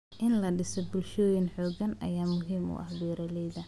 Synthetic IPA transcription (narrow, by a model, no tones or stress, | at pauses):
ʔɪnlɐɖɪsɔbʊlʃɔːjɪnħɔːɡɐnʔɐ̰jaːmʊɦiːmʊ̰ʔɐ̰hbɛːɾɐlɛjðɐ